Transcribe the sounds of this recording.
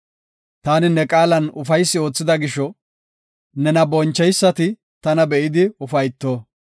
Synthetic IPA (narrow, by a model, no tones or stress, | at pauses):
t̪aːnɪnɛkʼaːlɐnʊfɐjsːɪo̞ːt͡sːɪd̪ɐɡɪʃɔ | nɛnɐbɔnt͡ʃːɛjsːɐt̪ɪ | t̪ɐnɐbɛʔɪd̪ɪʊfɐjt̪ːoː